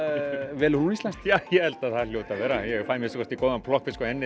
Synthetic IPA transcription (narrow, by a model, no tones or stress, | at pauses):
vɛːlɾunist̪lanst̪jaːjɛhɛlt̪aðθaɾljoːwt̪avɛːɾajɛfaːmjɛsɔ̥kʰɔ̥ɾ̥t̪ikɔwðanpʰlɔhkvɪskɔɛnːɪ